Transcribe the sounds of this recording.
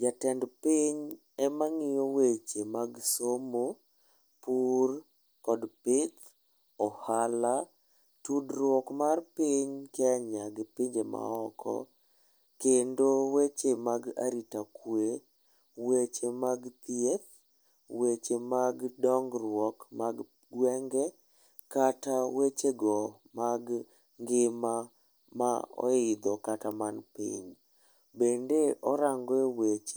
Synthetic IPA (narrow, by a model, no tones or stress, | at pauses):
d͡ʒatɛndpiɲ | ɛmaŋɪjowet͡ʃemaɡsomo | pur | kɔdpɪt̪ | ɔhala | tudrwɔkmarpiɲkɛaɲaɡpiɲd͡ʒema̰ɔkʰɔ̰ | kendowet͡ʃemaɡa̰ɾitakwe | wet͡ʃemaɡt̪iɛf | wet͡ʃemaɡdɔŋɡrwɔkmaɡ | ɡwɛŋɡɛ | katawet͡ʃeɡɔ | maɡ | ŋɡɪma | maɔ̰ɪd̪ɔkatamanpḭɲ | bendeʔɔɾaŋɡewet͡ʃe